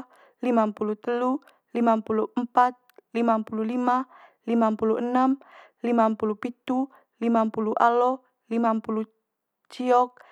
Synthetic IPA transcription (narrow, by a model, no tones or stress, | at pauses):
limampulut̪əlu | limampuluʔəmpat̪̚limampululima | limampuluʔənamlimampulupit̪u | limampuluʔalɔ | limampulu | t͡ʃiɔk̚